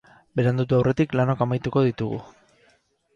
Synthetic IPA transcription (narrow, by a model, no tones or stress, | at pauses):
be̞ɾeand̪ut̪̬uawrʔe̞t̪iklano̞kamajt̪uko̞ð̞it̪uɣṵ